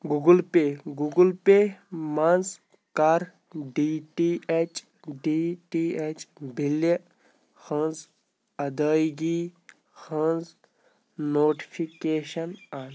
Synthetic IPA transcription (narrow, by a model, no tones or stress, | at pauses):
ɡuɡulpeːɡuɡulpeːmɐnz | kaɾ | ɖiʈiet͡ʃ | ɖiʈiːet͡ʃbʱilə | hə̃nz | ɐd̪əːjɡi | hə̃nz | noːʈi̥pʰikeːʃɐnaːn